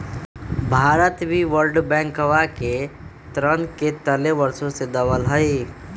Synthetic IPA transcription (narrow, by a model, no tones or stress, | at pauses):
bʱaːɾət̪bʱiʋəlɖbɛ̃ːŋkəʋake | t̪ɾənket̪əleʋəɾsõsed̪ɐbəlɦəi